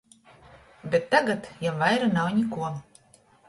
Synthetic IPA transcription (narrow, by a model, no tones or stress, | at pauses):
bʲet̪ːaɡat̪jawvajɾanawnʲikuɔ